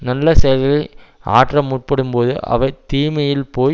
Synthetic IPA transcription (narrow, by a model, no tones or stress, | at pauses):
nɐlːɐsɛjɐlɣɐɭɐɪa̰ːʈrɐmːuːʈ̚pɐɽɯmpoːðɯʔɐ̰ʋɐɪt̪iːmɐjɪlpoː